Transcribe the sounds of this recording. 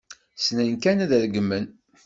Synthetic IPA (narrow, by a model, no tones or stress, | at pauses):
snænkænæðəɾɡəmːən